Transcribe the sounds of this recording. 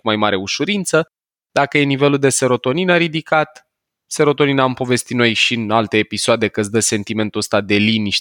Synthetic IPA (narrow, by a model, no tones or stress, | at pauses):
kumajmaɾe̞uʃuɾint̪sə | d̪̥akəje̞nive̞luld̪e̞se̞ɾo̞t̪o̞ninaɾid̪ikat̪ | se̞ɾo̞t̪o̞ninampo̞ve̞st̪it̪no̞jʃinalt̪e̞ːpisoad̪e̞kəsd̪əse̞nt̪ime̞nt̪uəst̪ad̪e̞liniʃ